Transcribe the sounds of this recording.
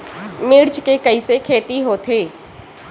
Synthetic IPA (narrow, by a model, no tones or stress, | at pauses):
mɪɽt͡ʃkekəisekʰeːt̪iɦoːt̪ʰeː